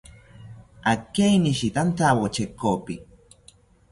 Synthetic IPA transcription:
akejniʃit̪ant̪awot͡ʃekopi

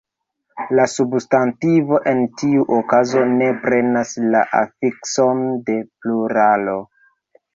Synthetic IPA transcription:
lasubstantivo̞ʔe̞ntiuʔokazo̞ne̞pɾe̞nasla̰ʔa̰fikso̞nde̞pluɾalo̞

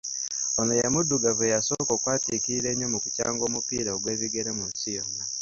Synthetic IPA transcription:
onojemudːuɡavejasoːkokwaːtikiiɾeːɲomukuca̰ːŋɡo̞ːmupiɾaoɡwe̞ːβiɡe̞ɾemusijona

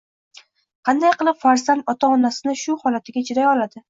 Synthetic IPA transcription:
qʰɑnd̪ajqɨlˠɪpfaɾzanɒt̪ʰaɒnasɪnɪʃʊhɒlat̪ʰɪɡʲat͡ʃʰɪɾajɒlad̪ɪ

